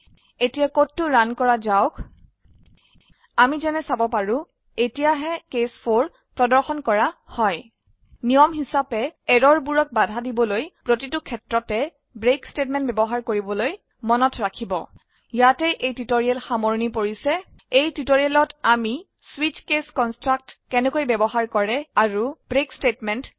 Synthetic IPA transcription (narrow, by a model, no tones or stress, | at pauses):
etijakotːʊɹankɔɹazaʊkʰ | amizɛnɛsabɔpaɹũ | etijaɦɛkespʰoɹ | pɹɔdɔɹxɔnkɔɹahɔj | nijɔmɦisapɛɛɹɔɹbuɹɔk̚badʱadibɔlojpɹotitʊkʰɛtɹɔtɛ | bɹekstetmɛ̃ntbɛbɔɦaɹkoɹibɔloj | mɔnɔtʰɹakʰibɔ̰ | jatɛʔejtitoɹiɛlxamoɹnipoɹisɛ | ejtitoɹiɛlɔtami | swit͡ʃkeskɔnstɹak̚tkɛnɛkojbɛbɔɦaɹkɔɹɛaɹub̥ɹekstetmɛnt